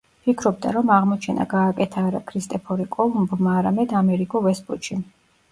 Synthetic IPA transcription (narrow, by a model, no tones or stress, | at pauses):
pʰikʰɾɔb̚d̪a̰ɾɔmaʁmɔt͡ʃʰɛna̰ɡaːkʼɛt̪ʰaːɾa̰kʰɾist̪ʼɛpʰɔɾikʼɔlˠumbmaːɾamɛd̪amɛɾikʼɔvɛsbuʃʰi